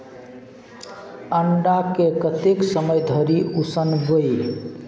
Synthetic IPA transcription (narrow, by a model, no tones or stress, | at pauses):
əɳɖakekət̪eksəməjd̪ʱəɾiusənbəj